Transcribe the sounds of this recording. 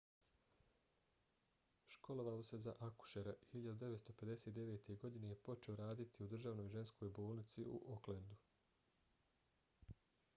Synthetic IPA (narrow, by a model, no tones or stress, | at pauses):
ʃko̞loʋaose̞zaʔaku̥ʃeɾahiʎad̪ud̪e̞ʋet̪st̪o̞pe̞d̪e̞set̪d̪e̞ʋe̞ːt̪ʰe̞ɡo̞d̪inejepo̞t͡ʃe̞oɾaːd̪it̪ʰiud̪r̩ʒaːʋno̞jʒe̞nskʰo̞ːjbo̞ːlˠnit̪siṵʔoklend̪u